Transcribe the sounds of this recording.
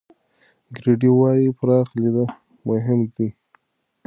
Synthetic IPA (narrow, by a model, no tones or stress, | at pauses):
ɡɾiɖiwɑjipɾɑxlid̪ə | mʊɦɪmd̪i